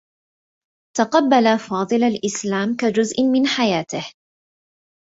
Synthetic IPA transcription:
t̪aqɑbːalafɑːd̪ˤɨlalʔɪslaːmkad͡ʒʊzʔmɪnħajaːt̪ɪh

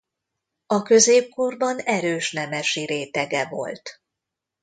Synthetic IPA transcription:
ɒkø̞zeːp̚korbɒnɛɾøːʃnɛmɛʃiɾeːt̪ɛɡɛvo̞̰lt̪

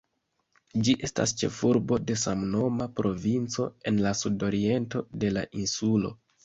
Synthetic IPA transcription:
d͡ʒiʔe̞sta̰st͡ʃe̞̰fuɾbo̞de̞samno̞mapɾo̞vint͡so̞e̞nlasudo̞ɾie̞nto̞de̞la̰ʔinsulo̞̰

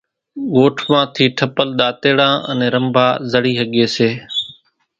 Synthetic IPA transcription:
ɠoːʈʰmãːt̪ʰiːʈʰəpəlɗ̪aːt̪eːɽãːʔə̰nẽːɾəmbʱaːzəɽiːɦəɠeːseː

